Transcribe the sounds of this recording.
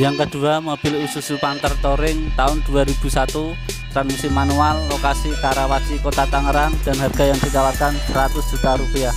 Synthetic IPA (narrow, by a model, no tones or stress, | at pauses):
jaŋkəd̪̥uamob̥ɪlisusupant̪ərt̪oɾɪŋt̪aʊnd̥uaɾib̥ṳsat̪u | t̪ɾanisimanualːokasikaɾawasikot̪at̪aŋəɾaŋd̥anɦarɡ̥a̤jaŋsikawarkanɾat̪ʊsd͡ʒ̥ut̪aɾupia